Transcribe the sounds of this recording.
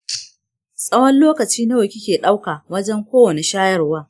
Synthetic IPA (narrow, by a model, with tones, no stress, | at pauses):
sʼɐ˦wɐ˦nloː˦kɐ˨t͡ʃiː˦na˦wɐ˨kʲɪ˦kʲeː˨ɗa˦wkaː˨wɐ˦d͡ʒɛ˦ŋkʷoː˦wɐ˨ne˨ʃaː˦jɐ˦˨rwaː˦